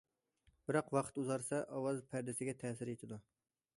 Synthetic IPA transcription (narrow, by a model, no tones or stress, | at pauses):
bɪɾɑqwɑqʰt̪uzɑɾsɑʔɑwɑzpʰæɾd̪ɪsɪɡʲɛt̪ʰɛːsɪɾet̪ʰɪd̪u